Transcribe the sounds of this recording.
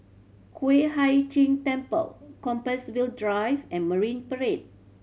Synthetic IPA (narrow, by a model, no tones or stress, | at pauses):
kʰweɦajt͡ʃĩntɛ̃mpə̰lkɔ̃mpəswildɹajvɛ̃nməɹĩnpəɹed̚